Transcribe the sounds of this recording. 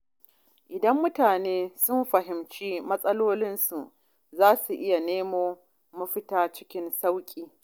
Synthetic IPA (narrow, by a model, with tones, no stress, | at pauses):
ʔɪ˨dɐ˦mːʊ˦taː˨neː˦sʊ˦mɸɐ˨ɦɪ˨mt͡ʃiː˦mɐ˦sʼɐ˦loː˦lɪ˦nsu˨ʔ | zaː˦su˨ʔɪ˦ja˨neː˦moː˦ | mɐ˦ɸɪ˦taː˦t͡ʃɪ̥˦kʲɪ˦nsa˦wkʲʼiː˨